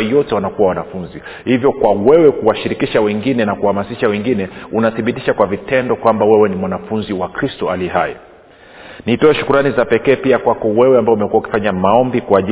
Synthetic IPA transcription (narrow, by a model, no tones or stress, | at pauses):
jɔtɛwanakuwawanafunzi | hivjɔkwawɛwɛkuwaʃiɾikiʃawɛŋɡinɛnakuhamasiʃawɛŋɡinɛunaθiɓitiʃakwavitɛndɔkwambawɛwɛnimwanafunziwakɾistɔaliɛha̰jḭ | nitɔɛʃu̥kuɾanizapɛkɛːpiakwakɔwɛwɛambaɔumɛkuwauki̥faɲamaɔmbikuaʄi